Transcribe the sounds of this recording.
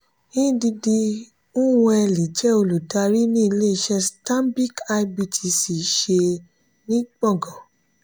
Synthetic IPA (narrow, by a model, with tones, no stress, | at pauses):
ĩ˦di˧di˧ | ũ˦w̃ɛ˧li˨d͡ʒɛ˦o˧lu˨ta˧ɾi˦nĩ˦i˧le˦˧ʃɛ˧stã˦mbi˦˨ka˧i˧bi˧tʰi˧si˨ʃe˧ | nĩ˦k͡pɔ˦˨ɡɔ˨